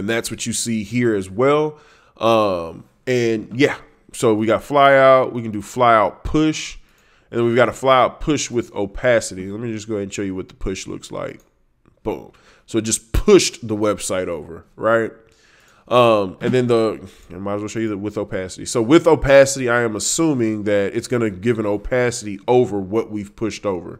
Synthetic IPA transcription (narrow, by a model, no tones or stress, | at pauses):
ɨ̃nðætswʌt͡ʃɨsihiɹɨzwɛlˠ | ʔʌ̃m | ɨ̃njæ | soʊwiɡɑɾəflaɪaʊt̚wikɨ̃n̩dɨflaɪaʊt̚pʰʊʃ | ɨ̃nðɨ̃nwivɡɑɾəflaɪaʊt̚pʰʊʃwɪðo̰ʊpʰæsɨɾilɛt̚mid͡ʒʌs̬ɡ̥oʊɨ̃nʃɛlˠjɨwʌt̪̚ðə̥pʰʊʃlʊ̰ksla̰ɪk̚ | b̥õ̰ | soʊd͡ʒʌspʰʊʃðəwɛb̥saɪɾoʊvə̰˞ɹaɪt̚ | ʔʌ̃mɨ̃nðɨ̃nðə | ɨ̃maɪzwlˠʃoʊjɨðɨwɨðoʊpʰæsɨɾḭsoʊwɪðoʊpʰæsɨɾiaɪɨ̃məsũmɪ̃ŋðɨɾʔɨtsɡ̥ʌnɨɡɪvɨ̃noʊpʰæsɨɾiʔoʊvə˞wʌʔ̚wiv̥pʰʊʃtoʊvə̰˞